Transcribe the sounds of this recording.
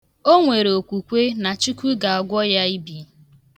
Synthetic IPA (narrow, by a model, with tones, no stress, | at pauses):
o˦ŋʷe˨ɾe˨o˨kʷu˨kʷe˦na˨t͡ʃi˦kʷu˦ɡa˨a˨ɡʷɔ˦ja˦i˦bi˨